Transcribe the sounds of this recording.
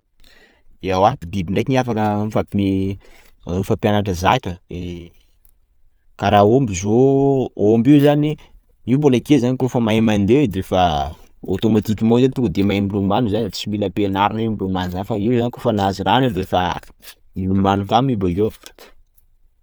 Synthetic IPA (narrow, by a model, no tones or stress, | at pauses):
iawad̪ebibiɳɖ͡ʐajkiniafakəmfakmi | ɾufapjanaʈ͡ʂəza̰kʲəe | kaɾaombizoombiwzani | iubolakezanikofəmaemand̪ed̪efəo̰t̪omat̪ikʲimazant̪ukəd̪emaimiɾumanuzanat͡similəpenaɾinimumanzanfaiwzanikofanaziɾanid̪efa | ilumanuk̪amibale